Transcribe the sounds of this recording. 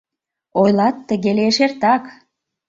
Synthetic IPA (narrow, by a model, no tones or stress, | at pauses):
ojlɑt̪ːəɣeleʃert̪ɑk